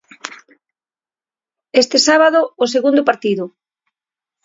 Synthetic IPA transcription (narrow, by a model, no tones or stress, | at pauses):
est̪esaβaðʊːs̬eɣund̪ʊpaɾt̪iðʊ